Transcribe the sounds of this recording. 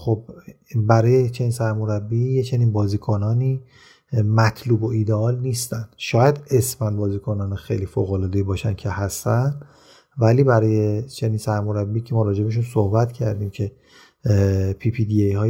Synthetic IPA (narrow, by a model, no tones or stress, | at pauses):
xob̚ | bæɾɒːjet͡ʃʰe̞niːnsæɾmo̞ɾæbːijet͡ʃʰe̞niːnbɒːziːkʰo̞nɒːniː | mæt̪ʰluːbo̞id̪eɒːlniːst̪ænd̥̪ʃɒːjæd̪e̞smænbɒːziːkʰo̞nɒːnexejliːfoɣolɒːd̪e̞jibɒːʃænd̪cʰe̞hæst̪ænd̪ | væliːbæɾɒːjet͡ʃʰe̞niːnsæɾmo̞ɾæbːiːcʰe̞mɒːɾɒːd͡ʒe̞beʃ̬unsohbæt̪cʰæɾd̪iːmcʰe̞ | pʰipʰid̪iejhɒː